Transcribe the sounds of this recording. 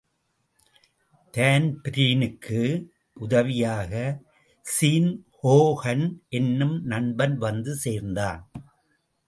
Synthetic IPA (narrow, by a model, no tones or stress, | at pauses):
t̪aːnpɪɾiːnɯkʰːɯ | ʔʊðɐʋɪjaːɣɐ | siːnhoːɣɐnʔɛnːɯmnɐɳbɐnʋɐnd̪ɯseːɾnd̪a̰ːn